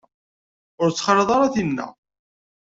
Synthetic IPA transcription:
ʊɾt͡sːχələðˤɑɾˤɑθinːæ̰

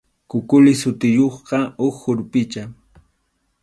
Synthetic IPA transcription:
kʊkʊlɪsʊt̪ɪjoχqɑoχːʊɾpɪt͡ʃa

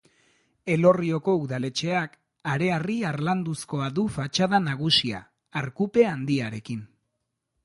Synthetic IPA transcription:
e̞lo̞rio̞ko̞uðale̞t͡ʃe̞ak | aɾe̞ariaɾland̪usko̞aðufat͡ʃaðanaɣ̞usia̰ː | ɾkupe̞and̪iaɾe̞kin

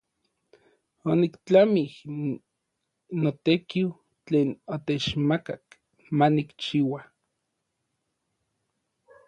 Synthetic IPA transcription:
onikt͡ɬamih | not̪ekiw | t͡ɬeːnot̪et͡ʃmakak | manikt͡ʃiwa

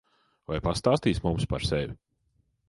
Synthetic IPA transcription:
vajpast̪aːst̪iːsmumspa̰ɾsevʲi

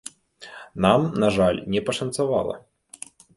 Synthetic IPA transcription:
namnaʐalʲnʲɛpɐʂɐnt̪sava̰lˠɐ̰

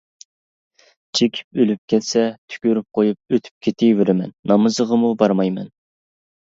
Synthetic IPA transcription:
t͡ʃʰekʲʰi̥p̚ølyp̚kʲʰɛt̪sɛt̪ʰy̥kʲøɾyp̚qʰojup̚øt̪ʰy̥p̚kʲʰet̪ʰɪweɾɪmɛ̰nːɑmɨzəʁəmubɑɾmɑjmɛ̰n

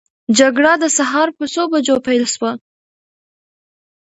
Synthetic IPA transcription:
d͡ʒaɡɽad̪əsaɦɑɾpəsobad͡ʒopajlʃwa

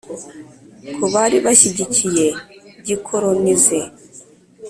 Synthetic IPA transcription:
kʰuβaɾiβaʃiɟicije̞ɟikʰoɾonize

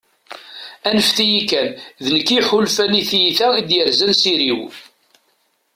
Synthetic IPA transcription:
ænəfθijikːænðnəkːiħulfæniθjθæid̪jəɾzænsiɾiw

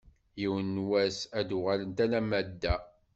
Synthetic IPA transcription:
jiwənːwæsæd̪ʊʁalənt̪ælæmæd̪ːæ

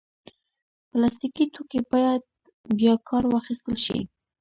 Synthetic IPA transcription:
plɑs̬t̪ikit̪okebɑjad̪̚ | bjɑkʰɑɾwɑxist̪əlʃḭ

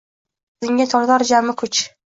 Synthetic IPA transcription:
zɪŋɡʲat̪ʰɒɾd̪aɾd͡ʒamɪkʰʊt͡ʃ

